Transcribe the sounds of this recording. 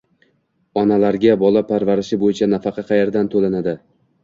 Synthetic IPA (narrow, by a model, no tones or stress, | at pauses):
ɒnalaɾɡʲabɒlˠapʰaɾvaɾɪʃɪbojɪt͡ʃʰanafɑqʰɑqʰɑjeɾd̪ant̪ʰolanad̪ɪ